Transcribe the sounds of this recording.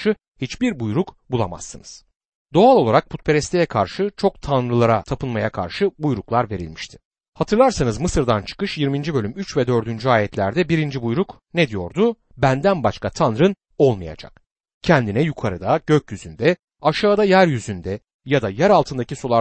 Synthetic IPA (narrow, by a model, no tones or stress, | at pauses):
ʃɯ | hit͡ʃbiɾbujɾukbulˠa̰ma̰sːɯnɯz̥ | d̪o̞alˠo̞lˠaɾak̚pʰut̪̚pʰe̞ɾɛst̪ʰejɛkʰaɾʃɯt͡ʃʰo̞k̚t̪ʰanɾɯlˠaɾat̪ʰapɯnmajakʰa̰ɾʃɯbujɾuklˠaɾve̞ɾḭlʲmiʃt̪ʰɪ̥ | hat̪ʰɯɾlˠaɾsanɯzmɯsɯɾd̪ant͡ʃʰɯ̥kɯʃjiɾmind͡ʒibø̞lʲymyt͡ʃvɛd̪ø̞ɾd̪ynd͡ʒyaːjɛt̪ʰlʲæɾd̪ɛbiɾind͡ʒibujɾuk | ned̪ijo̞̰ɾd̪u | bænd̪ænbaʃkʰat̪ʰanɾɯn | o̞lˠmaja̰d͡ʒa̰k̚ | cʰɛnd̪inɛjukʰaɾɯd̪aɟøcjyzynd̪ɛ | aʃaːd̪ajæɾjyzynd̪ɛ | jad̪ajæɾalˠt̪ʰɯnd̪aciso̞lˠa